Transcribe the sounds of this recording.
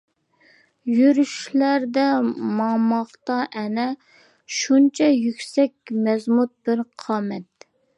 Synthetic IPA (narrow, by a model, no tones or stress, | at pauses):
jyɾyʃlæɾd̪ɛmɑmɑχt̪ɑʔɛnɛ | ʃunt͡ʃʰɛjykʲsɛk̚ʲmɛzmut̪̚bɪɾqʰɑːmɛt̪̚